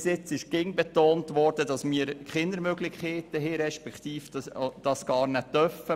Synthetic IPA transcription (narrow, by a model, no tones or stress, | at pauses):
sɪt͡sɪʃɡ̥ɪŋbetoːntʋɔːɾd̥əd̥ɑsmiəɾχɪnəɾmøɡlɪχkːeːt̪əɦeɾɛʃpɛkt̪iːfd̥ɑsɡ̥ɑːɾnɛt̪œfə